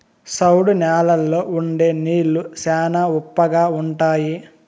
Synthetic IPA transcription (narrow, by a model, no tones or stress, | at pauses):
sɐwɽunaːlɐlːoːuɳɖeːniːlusɛːnɐupːɐɡaːuɳʈaːji